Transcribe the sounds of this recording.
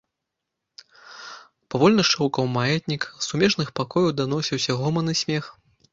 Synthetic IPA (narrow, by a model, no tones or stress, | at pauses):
pavɔlʲnɐʂʂukɐwmajɛt̪ʲnʲiksumʲɛʂnɨxpakɔjɐwd̪anɔsʲiwsʲɐɣɔmɐnɨsʲmʲɛx